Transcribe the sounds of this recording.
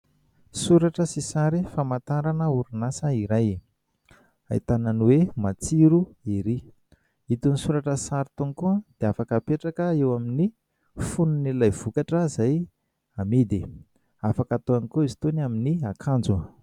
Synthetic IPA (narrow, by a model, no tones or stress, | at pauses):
suɾaʈ͡ʂəsisaɾifamat̪aɾanəuɾinasəiɾaj | a̰it̪anənuwemat͡siɾuiɾi | it̪unisuɾaʈ͡ʂəsaɾit̪uŋikuəd̪̥eafakəpeʈ͡ʂakəewamini | fununilajv̥ukaʈ͡ʂəzaj | amid̪i | afakat̪oanikoizi̥t̪onaminiakʰand͡zu